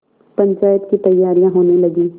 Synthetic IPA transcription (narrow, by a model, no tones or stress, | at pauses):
pɐ̃ɲt͡ʃaːjət̪kit̪ɐjːaːɾijãɦoːnelɐɡiː